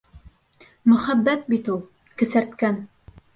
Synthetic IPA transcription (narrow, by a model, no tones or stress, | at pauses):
mɵ̆χæbːæt̪̚bit̪ulˠ | kɘ̆sæɾt̪kæn